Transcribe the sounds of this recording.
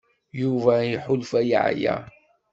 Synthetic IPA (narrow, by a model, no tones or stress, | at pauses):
juvæiħʊlfæj̰ʕjæ̰